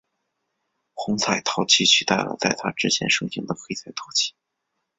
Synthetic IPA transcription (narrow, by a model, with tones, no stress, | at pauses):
xʊ˧˥ŋt͡sʰa˥˩ɪt̪ʰɑ˧˥ʊt͡ɕʰi˥˩t͡ɕʰy˧˥t̪a̰˥˩lə̰˩t͡sa˥˩ɪt̪ʰa˥ʈ͡ʂɻ̩˥t͡ɕʰjɛ̰˧˥nʂɤ˥˩ɕʰi˧˥ŋd̪ə˨xe˥ɪsʰa˥˩ɪt̪ʰɑ˧˥ʊt͡ɕʰi̥˥˩